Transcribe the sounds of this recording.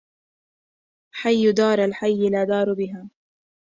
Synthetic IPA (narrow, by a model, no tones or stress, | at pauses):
ħajːʊd̪ɑːɾˤalħajːɪlaːd̪ɑːɾˤbɪɦaː